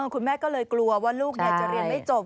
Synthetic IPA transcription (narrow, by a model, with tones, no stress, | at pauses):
ɤː˧˩kʰu˧nmɛː˥˩kɔː˥˩lɤː˧jklu˧ɐwaː˥˩luː˥˩k̚ni˥˩t͡ɕa˨˩ʔɾi˧ə˩nma˥˩t͡ɕo˨˩p̚